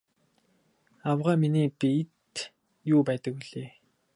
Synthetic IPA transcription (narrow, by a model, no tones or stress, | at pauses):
awʁaːminiːpit̪ | juːpæːt̪ə̆kiɮeː